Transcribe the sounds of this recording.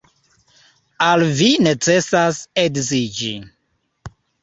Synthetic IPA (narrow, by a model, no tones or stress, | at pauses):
alvinet͡sesaseɡzid͡ʒi